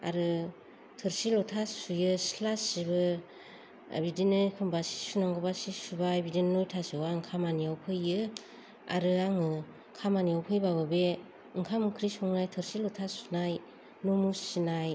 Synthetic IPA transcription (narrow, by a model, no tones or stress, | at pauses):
a̰ɾɯ | tʰɯɾsilɔtʰasujɯslasibɯ | bidinɯkʰɯmbasi̥sunaŋɡɔbasisubajbidinnojtʰasɯwaŋkʰamaniawpʰɯjɯ | a̰ɾɯaŋɯ | kʰamaniawpʰɯjbabɯbe | ɯŋkʰamɯkʰɾisuŋnajtʰɯɾsilɔtʰasu̥naj | nomussinaj